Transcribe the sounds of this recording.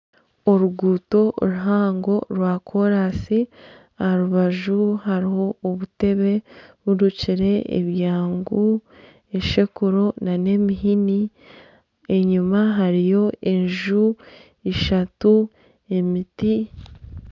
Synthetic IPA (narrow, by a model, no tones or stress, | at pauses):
oɾuɡuːto̞ɾuɦaːŋɡo̞ɾwakʰo̞ɾasi | ahaɾuβaʒuɦaɾiho̞oβute̞βe̞βuɾuciɾe̞ḛβjaːŋɡu | eʃe̞kuɾo̞nane̞miɦini | e̞ɲumaɦaɾijo̞e̞ɲʒu | eʃatu | e̞miti